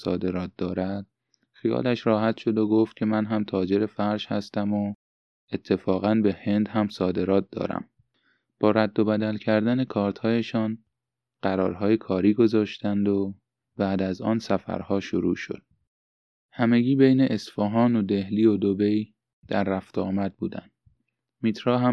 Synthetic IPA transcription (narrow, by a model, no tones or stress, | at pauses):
sɒ̰ːd̪e̞ɾɒːt̪̚d̪ɒːɾæd̪̥̚ | xijɒ̰ːlæʃrɒːhæt̪ʃo̞d̪o̞ɡoft̪̚cʰe̞mænɦæmt̪ʰɒːd͡ʒe̞ɾe̞fæɾʃhæ̰st̪æmo | e̞t̪ʰːe̞fɒːɣænbe̞he̞nd̪hæmsɒːd̪e̞ɾɒːt̪̚d̪̥ɒ̰ːɾæ̰m | b̥ɒːɾæd̪ːobæd̪ælcʰæɾd̪æne̞kʰɒːɾt̪ʰhɒːjeʃɒːn | ɢ̥æɾɒ̰ːɾɦɒːjekʰɒːɾiːɡo̞zɒːʃt̪ænd̪o̞ | bæːd̪æzɒ̰ːnsæfæ̰ɾhɒːʃoɾṵːʃo̰d̪̥̚ | hæme̞ɟiːbe̞jneʔesfɒɦɒːno̞d̪e̞hliːod̪obej | d̪̥æɾːæft̪ɒ̰ːmæd̪̚buːd̪æ̰nd̪̥ | mit̪ʰɾɒːɦæ